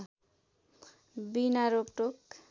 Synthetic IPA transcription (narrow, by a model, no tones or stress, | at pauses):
binaɾopʈok